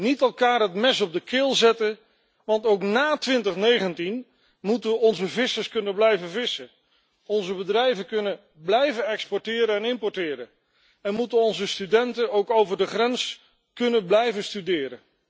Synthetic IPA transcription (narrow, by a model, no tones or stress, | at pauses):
nitɛlˠkaːɹɦətmɛsɔb̚dəkɪːlˠzɛtə | ʋɑntowknaːtʋɪntəχnejχəntin | mutəʋəɔnzəvɪsəɹskɵnənblɛjvəvɪsə | ɔnzəbədrɛjvəkɵnə | blɛjvənɛkspɔɹtɪːɾəɛnɪmpɔɹtɪːɾə | ɛnmutənɔnzəstydɛntənowkowvəɹdəχrɛns | kɵnənblɛjvəstydɪːɾə